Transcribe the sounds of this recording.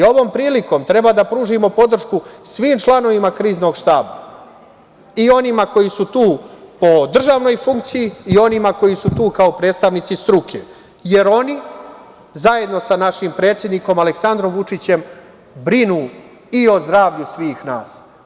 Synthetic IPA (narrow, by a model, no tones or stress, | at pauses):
o̞ʋo̞ːmpɾiːliko̞mt̪ɾe̞bad̪apɾuːʒimo̞po̞d̪r̩ʃkusʋiːmt͡ʃlˠano̞ʋimakɾiːzno̞ɡʃt̪aːba̰ | io̞nimako̞jisut̪uːpo̞d̪r̩ʒaʋno̞jfuŋk̚t̪sijiio̞nimako̞jisut̪uːkaopɾet̪st̪aʋnit̪sist̪ɾukʰe | je̞ɾo̞ni | zaje̞d̪no̞sanaʃimpɾe̞ːt̪sʲje̞d̪niko̞male̞ksand̪ɾo̞mʋut͡ʂit͡ɕe̞m | bɾinuː | io̞zd̪ɾaːʋʎusʋiːxna̰ːs